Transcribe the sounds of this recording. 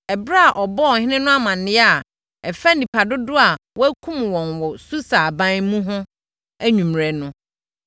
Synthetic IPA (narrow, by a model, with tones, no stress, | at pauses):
ɛ˨bɾa˦a˨ʔɔ˨bɔ˦ɔ˨hɪ̃˦nɪ̃˦nʊ̃˦a˦mã˨nnːɪ̃˦˨ | ɛ˨fæ˦nĩ˨pʰa˨dʊ˦dʊ˦a˨wɔ˦æ˦kʰũ˦mwɔ̃˨nwɔ˨su˦sa˨bã˦mũ˦ɦʊ̃˦ | æ˦ɲũ˨mɾɛ˨nʊ̃˦